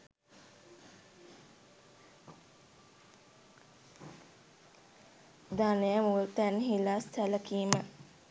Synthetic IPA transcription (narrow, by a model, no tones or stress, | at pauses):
d̪anejəmult̪ænɦilast̪ʰæləkiːmə